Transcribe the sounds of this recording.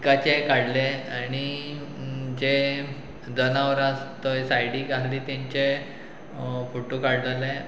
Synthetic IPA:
kat͡ɕekaɽ̤leaɽ̃i | d͡ʑe | d̪ənaʋəɾast̪əjsajɽiːkaɾliːt̪ãɲt͡ɕe | foʈokaɽd͡zalẽ

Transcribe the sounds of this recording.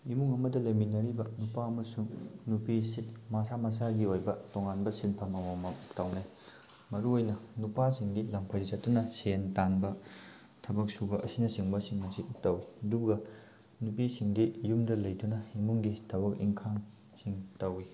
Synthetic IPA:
imuŋɐmɐdɐlɐminɐɾibɐnupaɐmɐsuŋnupisitmasamas̬aɡiojbɐtoŋanbɐsilpʰɐmɐwamɐtɐwnaj | mɐɾuojnɐnupasiŋɡilɐmpʰɐjdɐsɐttːunɐsentanbɐ | tʰɐbɐk̚subɐʔɐsinɐsiŋbɐsiŋmɐsitɐwiɐduɡɐ | nupisiŋdijumdɐlɐjdunɐimuŋɡitʰɐbɐkḭŋkʰaŋ | siŋtɐwi

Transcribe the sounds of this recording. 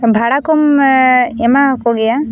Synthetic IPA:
bʱaɽakɔm | emakoɡɛja

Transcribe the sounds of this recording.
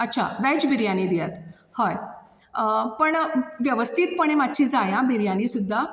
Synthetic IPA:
ətːt͡ɕʰa̰ʋɛt͡ɕbiɾjaniːd̪ijat̪ | hɔj | pəɳʋjəʋəst̪ʰiːt̪̚pəɳ̃emat̪ːt͡ɕʰiːd͡zajãbiɾjaniːsud̪ʱːa

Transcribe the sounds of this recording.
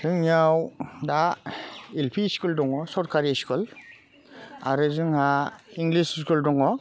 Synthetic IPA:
zɯŋiawda | ilpʰiskuldɔŋɔsɔɾkaɾiskul | a̰ɾɯzɯŋhaiŋɡlisskuldɔŋɔ

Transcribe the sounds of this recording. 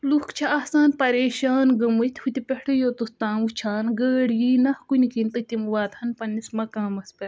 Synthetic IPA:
lukt͡ʃʰɐɐhsaːnpɐɾeːʃaːnɡɐmut̪ʲhut̪ipʲehʈʰɐjoːt̪ust̪ãːwut͡ʃʰaːnɡəːɽjiːnɐhkunikint̪ɨt̪imwaːt̪hɐnpɐnːismɐkaːmɐspʲɐɾ

